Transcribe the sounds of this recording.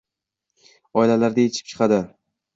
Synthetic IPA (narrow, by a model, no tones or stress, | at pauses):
ɒɪlalaɾd̪ajet͡ʃʰɪ̥p̚t͡ʃʰɨ̥qʰɑd̪ɪ